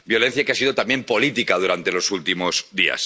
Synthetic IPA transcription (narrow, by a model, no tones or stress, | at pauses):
bjo̞le̞n̟θjakeasiðo̞t̪ambje̞mpo̞lit̪ikað̞uɾant̪e̞lo̞sult̪imo̞zðia̰s